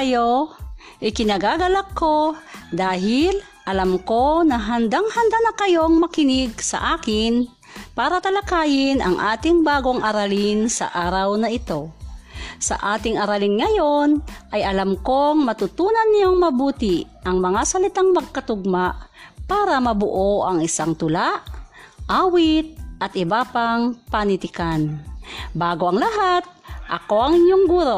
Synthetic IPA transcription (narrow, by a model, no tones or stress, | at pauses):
ɐjo | ʔɪkɪnɐɡaːɡɐlakːod̪aːɦɪl | ʔɐlamkonɐɦɐnd̪aŋhɐnd̪anɐkɐjoŋmɐkɪnɪɡ̚sɐ̰ʔaːkɪn | paːɾɐt̪ɐlɐkaːjɪnʔɐ̰ŋʔaːt̪ɪŋbaːɡoŋʔɐɾalɪnsɐ̰ʔaːɾawnɐʔɪt̪o̞ | sɐ̰ʔaːt̪ɪŋɐɾalɪnŋɐjonʔɐjʔɐlamkoŋmɐt̪ʊt̪uːnanːɪjoŋmɐbuːt̪ɪ | ʔɐŋmɐŋasɐlɪt̪aŋmɐɡ̚kɐt̪ʊɡ̚maʔ | paːɾɐmɐbʊʔoʔɐŋɪsaŋt̪ʊlaʔ | ʔaːwɪt̪̚ʔɐt̪ɪbaːpaŋpɐnɪt̪ɪkanbaːɡoɐŋlɐɦat̪̚ʔɐ̰koʔɐŋɪɲoŋɡuːɾo